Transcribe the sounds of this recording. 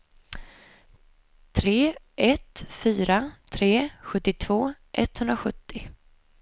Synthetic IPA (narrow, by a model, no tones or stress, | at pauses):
t̪ʰɾeː | ʔɛt̪fyːɾat̪ʰɾeːɧɵt̪ːɪt̪ʰv̥oːʔɛ̰t̪hɵnd̪ɾaɧɵt̪ːɪ